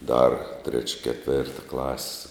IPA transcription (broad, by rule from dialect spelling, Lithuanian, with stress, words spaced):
dɐr tʲrʲɛt͡ʃʲ kʲɛˈtʲʋʲeːrtɐ klˠɐsʲ